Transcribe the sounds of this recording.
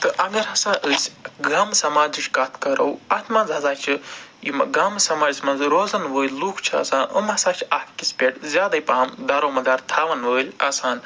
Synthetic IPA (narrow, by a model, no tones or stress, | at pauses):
t̪ɨʔɐɡɐɾɦɐsãːʔəsʲɡaːmsɐmaːd͡ʒit͡ʃʰʲkɐt̪ʰkɐɾɐwɐt̪ʰmɐ̃nzɦɐzaːt͡ʃʰijimɡɐːmsɐmaːd͡ʒisʲmɐnzɾoːzɐnʋəːlʲluːkʰt͡ʃʰiɐ̰sãːnʔɐ̰mɐsaːt͡ʃʰakʰkʲisʲpʲeʈzʲjaːd̪ɐipaːmd̪ɐɾoːmɐd̪aːɾt̪ʰaːʋɐnʋəːlʲɐ̰saːn